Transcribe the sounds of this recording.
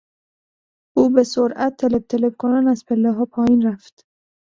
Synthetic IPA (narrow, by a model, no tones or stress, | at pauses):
uːbesoɾʔæt̪ʰːeleb̚t̪ʰeleb̚kʰonænæzpʰelːeɦɒːpʰɒːjiːnɾæft̪